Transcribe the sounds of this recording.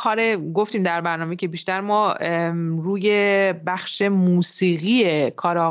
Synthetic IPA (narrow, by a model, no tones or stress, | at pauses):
kʰɒːɾeɡo̞ft̪iːmd̪æɾbæɾnɒːmecʰe̞biʃt̪æɾmɒː | ɾuːje̞bæxʃe̞muːsiːɣiːekʰɒːɾː